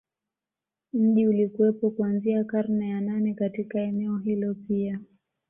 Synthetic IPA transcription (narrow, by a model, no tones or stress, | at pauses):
m̩ʄiulikuwɛpɔkuanziakaɾnɛjananɛkatikaɛnɛɔɦilɔpia